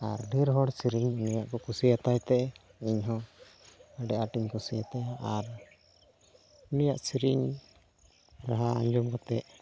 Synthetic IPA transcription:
aɾɖʱiɾɦɔɽsiɾiɲunijaʔkɔkusijat̪ajt̪ɛ | iɲɦɔ̃ | əɖɛʔaʈiɲkusijat̪ɛaɾ | nijaʔsiɾiɲ | ɾaɦaa̰ɲd͡ʒɔmkɔt̪ɛʔ

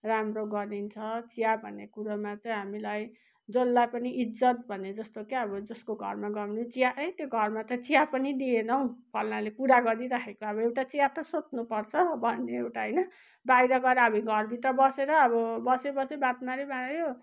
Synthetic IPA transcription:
ramroɡʌɾint͡sʰʌt͡sijabʱʌnːekuɾʌmat͡sʌĩɦamilaj | d͡zolːajpʌniʔid͡zʌt̪̚bʱʌned͡zʌst̪okeʌbʌd͡zʌskoɡʱʌ̰rmaɡʌmnut͡sijaʌjt̪joɡʱʌrmat͡sʌ̃t͡sijapʌnid̪ienʌw̃pʰʌlnalekuɾaɡʌɾiɾakʰekoʌβʌewʈat͡sijat̪ʌsotnupʌrt͡sʰʌbʱʌnːeewʈaɦʌjnʌ | bajɾʌɡʌɾʌʌbʌɡʱʌrbʱit̪rʌbʌseɾʌːbʌbʌsebʌsebat̪maɾebanɾo

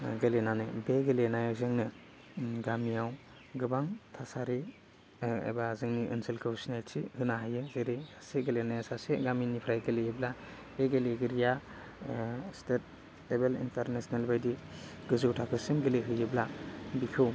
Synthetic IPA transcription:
ɡelenanɯbeɡelenajawzɯŋnɯ | ɡamijaw | ɡɯbaŋtʰasaɾi | ḛbazɯŋniʔɯnsilkʰɯwsinajsihɯnaɦajɯzeɾiaseɡelenajasaseɡaminipʰɾajɡelejɯbla | beɡeleɡɯɾija | stet̚ | ebelḭntaɾnesnalbajdiɡ̥ɯzɯwtʰakʰɯsɯŋɡeleɦɯjɯblabikʰow

